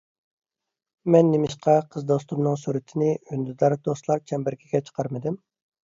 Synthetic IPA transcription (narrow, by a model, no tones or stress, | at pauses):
mɛnːɪmɪʃqʰɑqʰəzd̪ost̪umnɨŋsuɾɪt̪ʰɪnɪynd̪yd̪ɑɾd̪oslˠɑɾt͡ʃʰɛmbɪɾkʲʰiɡʲɛt͡ʃʰə̥qʰɑɾmɨd̪ɪm